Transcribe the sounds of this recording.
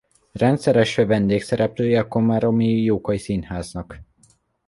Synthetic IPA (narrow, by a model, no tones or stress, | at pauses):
rɛnt̪sɛɾɛʃøːvɛnd̪eːksɛɾɛpløːjɛɒko̞maɾo̞mijoːkɒisinhaːznɒk